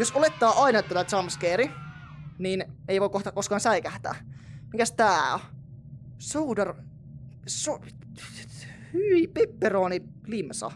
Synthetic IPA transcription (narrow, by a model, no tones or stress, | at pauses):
josolet̪ːɑːʔɑinɑt̪ːolɑt̪ɑmskeːɾi | niːneijʋoikoht̪ɑkoskɑːnsæikæht̪æ̰ːmikæst̪æː | soːdɑr | so | hyʋipepːeroːni | limsɑ̰